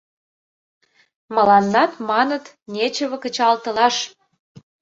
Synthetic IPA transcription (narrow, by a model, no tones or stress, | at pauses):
məlɑnːɑt̪mɑnət̪ | nʲet͡ɕə̆βə̆kə̆t͡ɕɑlt̪ə̆lɑʃ